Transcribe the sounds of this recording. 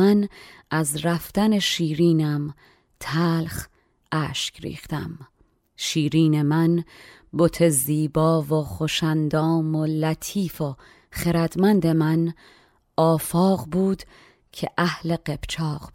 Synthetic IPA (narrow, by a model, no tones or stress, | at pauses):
ænʔæzɾæft̪æne̞ʃiːɾiːnæm | t̪ʰæːlχ | ʔæːʃcɾḭːχt̪æ̰m | ʃiːɾiːne̞mæn | bot̪ʰe̞ziːbɒːvoχoʃænd̪ɒːmolæt̪ʰiːfo | χeɾæd̪mænd̪e̞mæn | ɒːfɒːqbuːd̪̥ | cʰeʔæhle̞ɢe̞b̥t͡ʃʰɒːq